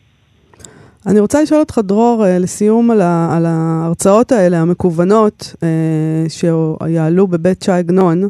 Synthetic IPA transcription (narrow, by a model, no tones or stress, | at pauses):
aniʁo̞t͡saliʃo̞lot̪χadʁo̞ʁelesijumalalaːʁt͡sao̞tae̞le̞ɦame̞kuvano̞teʃejaːlube̞bett͡ʃaɡno̞n